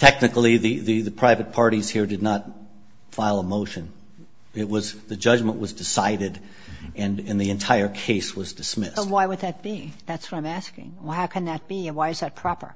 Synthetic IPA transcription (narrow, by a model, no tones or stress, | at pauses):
tʰɛk̚nɨkl̩ˠiðɨðɨðɨpʰɹ̥aɪvɨt̚pʰɑɹɾiz̥hiɹdɨdⁿnət̚ | faɪlˠəmoʊʃɨ̃n | ɪt̚wʌzðɨd͡ʒʌd͡ʒmə̃nʔwʌzdɨsaɪɾɨɾ | ɨ̃nɨ̃nðiɨ̃ntʰaɪə˞kʰeɪswʌzdɨsmɪswaɪwəd̪̚ðɨt̚b̥iðætswʌɾãɪ̃mæskɪ̰̃ŋhaʊkʰɨ̃nðɨt̚b̥iwaɪɨzðɨt̚pʰɹ̥ɑpə̰˞